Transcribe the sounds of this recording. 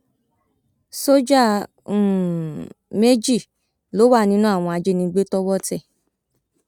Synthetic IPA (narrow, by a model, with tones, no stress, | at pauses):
so˦d͡ʒa˦˨ | me˦d͡ʒi˦˨ | lo˨˦wa˦˨nĩ˨˦nũ˦a˦˨w̃ɔ̃˧a˧d͡ʒe˦nĩ˧ɡ͡be˦tɔ˦wɔ˦tɛ˦˨